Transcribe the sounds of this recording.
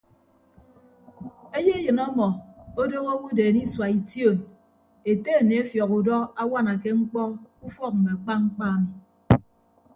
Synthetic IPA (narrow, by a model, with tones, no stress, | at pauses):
e˦je˦e˦jɨ˨nɔ˦mɔ˨o˦do˦ŋo˦wu˦deː˨ni˦swa˨i˨tjo˦˨n | e˨te˦e˨ne˨e˦fjɔ˨ku˨dɔ˦a˦wa˦na˨ke˦ŋ͡m̩˦k͡pɔ˦ku˦fɔ˦k̚m̩˨me˨a˨k͡pa˦ŋ͡m̩˦k͡pa˦mi˨